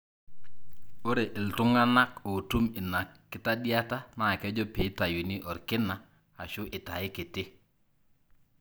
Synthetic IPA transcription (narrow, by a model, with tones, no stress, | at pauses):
o˦ɾe˨ʔɪ˨ltʊ˦ŋa˦na˦ko˨tu˦mɪ˨na˨kː | ɪ˦ta˦ɗɪ˦a˦ta˦na˨kɛ˦d͡ʒɔ˦pe˨˦ta˨ju˨ni˦ʔɔ˨ɾkɪ˦na˨ | a˨ʃʊ˦ʔɪ˨ta˨ɪ˦ke˨tɪ˦